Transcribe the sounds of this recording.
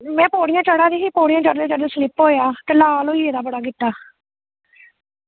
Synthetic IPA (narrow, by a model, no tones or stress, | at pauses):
mɛ̃ːpoːɽɪjãːt͡ʃəɽaːd̪iːɦiːpoːɽɪjãːt͡ʃəɾd̪eːt͡ʃəɾd̪eːslɪpɦoːjaːt̪eːlaːloːiːeːd̪aːbəɽaːk̬ɪt̪ːaː